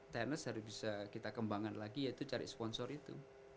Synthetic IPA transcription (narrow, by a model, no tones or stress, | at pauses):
t̪ɛnəsɦaɾʊsbisakit̪akəmbaŋanlaɡijait̪ut͡ʃaɾḭspɔnsɔrit̪ṵ